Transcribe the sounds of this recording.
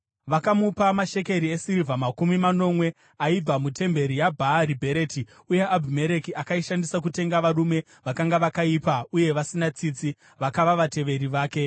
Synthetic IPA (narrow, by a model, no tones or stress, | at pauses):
ʋakamupamaʃe̞ke̞ɾiesiɾivʱamakumimano̞mwe̞ | aidamute̞mbe̞ɾijabʱaɾibʱe̞ɾe̞ti | uje̞ʔabʱime̞ɾe̞kiʔakaiʃandisakute̞ŋɡaʋarume̞ | ʋakaŋɡaʋakaipauje̞ʋasinat͡sit͡si | ʋakaʋaʋate̞ʋe̞ɾiʋaːke̞